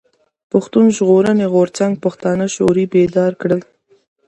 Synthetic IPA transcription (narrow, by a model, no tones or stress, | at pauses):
pʊxt̪unʒɣoɾəneɣoɾt͡saŋɡ̚paxt̪ɑnəʃo̰ɾibed̪ɑɾkɽəl